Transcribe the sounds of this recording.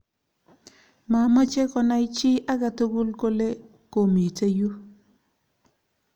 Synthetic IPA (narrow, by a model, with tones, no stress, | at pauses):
ma˨ma˦t͡ʃe˦kɔ˨na˦ɪ˦t͡ʃɪ˦a˦ka˨to˦ɡu˦lko˦le˦ | ko˨me˨te˦ju˦